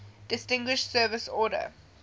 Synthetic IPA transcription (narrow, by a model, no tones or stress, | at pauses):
d̥ɪstɪ̃ŋɡwɪʃtsɜːvɪsɔːɾə̰